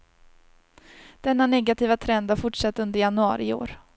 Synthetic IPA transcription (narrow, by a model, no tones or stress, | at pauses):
d̪̥ɛnːanɛɡat̪ʰiːvat̪ʰɾɛnd̪haɾfʊʈʂat̪ːɵnd̪əɾjanɵɑ̰ːɾɪo̰ːɾ